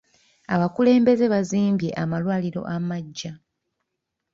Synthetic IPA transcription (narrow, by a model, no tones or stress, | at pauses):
aβakule̞ːmbe̞ze̞βaziːmbje̞ʔamalwaːliɾo̞̰ʔamaɟːa